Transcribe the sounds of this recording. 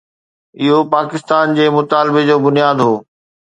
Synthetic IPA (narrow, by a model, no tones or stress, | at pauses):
ɪɦopaːkɪst̪aːnd͡ʑeːmʊt̪aːlɪbed͡ʑoːbʊnijaːd̪ɦoː